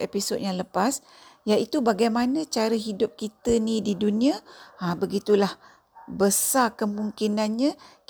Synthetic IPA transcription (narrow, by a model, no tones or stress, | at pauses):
episod̚jaŋləpas | jaʔit̪ubaɡajmanət͡ʃaɾəɦidʊp̚kit̪ənĩdiduniaabəɡit̪ulah | bəsakəmuŋkinanɲək